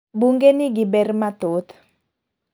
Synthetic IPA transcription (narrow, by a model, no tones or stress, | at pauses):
buŋɡenɪɡɪbɛrmat̪ot̪